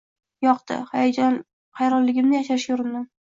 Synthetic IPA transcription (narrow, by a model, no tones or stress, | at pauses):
jɒqt̪ɪ̰hajad͡ʒɒn | hajɾɒllːɪɡʲɪmnɪjaʃaʃjʊɾɪnd̪ɪ